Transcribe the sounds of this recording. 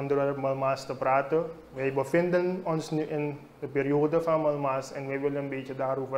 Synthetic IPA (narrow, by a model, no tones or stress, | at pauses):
ɔndəɾəməlmaːstəpraːtə | ʋɛjbəfɪndənɔnsnyʔɪn | dəpeːɾioːdəfaməlmaːsɛnʋɛjʋɪləənbeːt͡ʃədaːrovə